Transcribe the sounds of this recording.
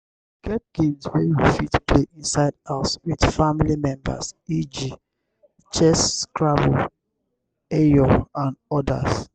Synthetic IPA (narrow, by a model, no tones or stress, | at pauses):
ɡ̥ɛt̚kidswejofitpleʔĩnsaɪdaswidfamilimɛ̃mba̰sid͡ʒi | t͡ʃɛskɹabu | ejoãnɔda̰s